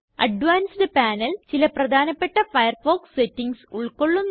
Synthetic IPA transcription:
ɐ̰ɖʋaːnsɖɨpaːnɐlt͡ɕilɐprɐd̪ʱaːnɐpːe̞ʈːɐfɐjɐrfo̞ːksetːiŋɡsuɭkoɭːunː

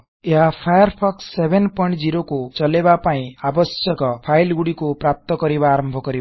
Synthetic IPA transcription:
eɦapʰajɔɾpʰɔksːebʱenpɔjɳʈd͡ziɾokut͡ʃʌlebapaĩabʌsjʌkɔpʰajlɡuɽikupɾap̚t̪ɔkʌɾibaːɾɔmbʱɔkʌɾib

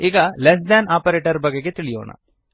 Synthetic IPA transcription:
iːɡɐlesd̪aːnaːpɐɾeːʈɐɾbɐɡːeɡet̪iɭijo̰ːɳɐ̰

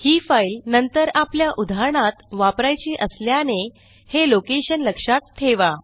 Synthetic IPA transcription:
hiːfailnənt̪əɾapljaʔud̪ʱaɾɳ̃at̪ʋapɾajt͡ɕiːʔəsljane | helokeɕənləkʂat̪ʰːeʋa

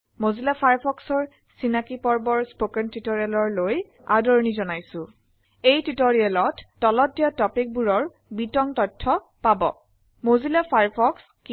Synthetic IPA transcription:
mozilapʰaɹpʰɔksɔɹ | sinakipɔɹbɔɹspokɛntitoɹialɔɹloj | a̰dɔɹnizɔnajsʊ̃ | ejtitoɹialɔtːɔlɔdijatɔpik̚buɹɔɹ | bitɔŋtɔtʰːɔ | pabɔ̰ | mozilapʰaɹpʰɔks | ki

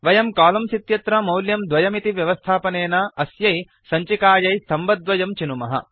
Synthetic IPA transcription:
ʋɐjɐmkaːlɐmsit̪jɐt̪ɾɐmɐwljɐmd̪ʋɐjɐmit̪iʋjɐʋɐst̪ʰaːpɐneːnɐɐsjɐj | sɐɲt͡ʃikaːjɐjst̪ʰɐmbɐd̪ʋɐjɐmt͡ʃinumɐɦɐ̰

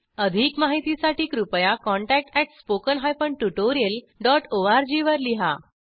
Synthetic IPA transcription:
əd̪ʱiːkmaɦit̪isaʈiːkɾupjakɔ̃ɳʈæk̚ʈɛʈspokənɦajfəɳʈuʈoɾijəl | ɖɔʈoaɾd͡ʑiʋəɾliɦa

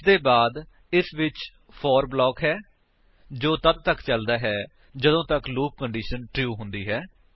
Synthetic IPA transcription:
d̪eːbaːd̪ | ɪsʋɪt͡ʃ | pʰɔːɾblɔːkɦɛː | d͡ʒoːt̪əd̪̚t̪əkt͡ʃəld̪aːɦɛː | d͡ʒəd̪õːt̪əkluːk̚ːəɳɖiːʃənʈɾjuːɦʊ̃nd̪iːɦɛː

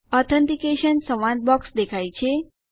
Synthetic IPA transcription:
ɔt̪ʰənt̪ikeʃənsəʋãd̪̚bɔksd̪ekʰajt͡ʃʰe

